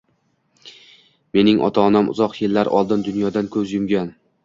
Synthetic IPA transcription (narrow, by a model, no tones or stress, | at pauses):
me̞nɪŋʔɒ̰t̪ʰaːnamʊ̰zɒqjelːaɾʔɒ̰lˠd̪ɪnd̪ʊnjɒd̪ankʰɵzjʊmɡʲan